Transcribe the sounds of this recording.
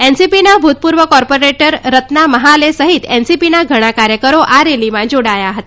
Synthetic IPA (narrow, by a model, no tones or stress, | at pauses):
ensipinabʱut̪̚puɾʋəkɔɾpoɾeʈəɾːət̪naməɦalesəɦit̪ensipinaɡʱəɽ̃akaɾjəkəɾoʔaɾeliʋãd͡ʑoɽajaɦət̪a